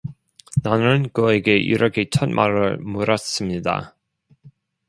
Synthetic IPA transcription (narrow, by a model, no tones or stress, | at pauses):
nanɯnkɯeɡeʔḭɾʌkʰe̞t͡ɕʰʌt̚mʔaɾɯ̰ɭmoɾʌs͈ɯmɲida̰